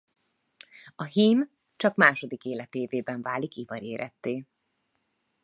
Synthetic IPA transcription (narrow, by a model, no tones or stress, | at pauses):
ɒɦiːm | t͡ʃɒkmaːʃo̞d̪ikeːlɛt̪eːveːbɛɱvaːlikivɒɾeːɾʔɛ̰t̪ːeː